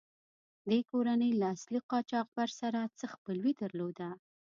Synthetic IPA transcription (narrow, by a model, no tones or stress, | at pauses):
d̪ekoɾanəjlaːsliqɑt͡ʃɑq̚baɾsaɾat͡səxpəlwid̪əɾlod̪a